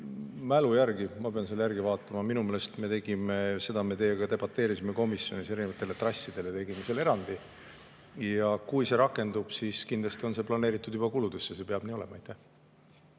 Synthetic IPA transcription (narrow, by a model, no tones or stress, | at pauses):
mælujæɾɡimɑpe̞ɑnselːjæɾɡ̥ivɑːt̪ːˑɑmɑminumeːlest̪me̞t̪e̞ɡ̥imese̞d̪̥ɑme̞t̪e̞jeɡ̥ɑt̪e̞b̥ɑt̪ːˑe̞ːɾisime̞ko̞misjo̞nise̞ɾinevɑt̪ːˑe̞let̪rɑsʲːid̪̥e̞let̪e̞ɡ̥imesele̞ɾɑnd̪̥i | jɑkujse̞ɾɑkːˑe̞nd̪̥ub̥siskind̪lɑst̪io̞nse̞plɑne̞ːɾit̪ːˑud̪ub̥ɑkulud̪esːese̞pe̞ɑb̥niːo̞le̞̰mɑɑjt̪ːæh